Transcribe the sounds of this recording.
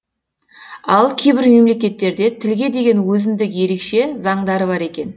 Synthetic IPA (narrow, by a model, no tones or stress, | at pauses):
ɑlˠkʲʰejbɪɾme̞mle̞kʲe̞t̪ːe̞ɾd̪e̞t̪ʰɪlɡʲe̞d̪e̞ɡʲe̞nwɵzɪnd̪ɪkje̞ɾe̞kʃe̞zɑɴd̪ɑɾəβɑɾe̞kʲe̞n